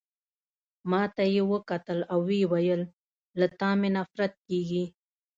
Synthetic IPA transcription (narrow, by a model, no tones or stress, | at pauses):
mɑt̪ajewəkat̪əlawːewajəlː | at̪ɑmenafɾat̪̚keɡi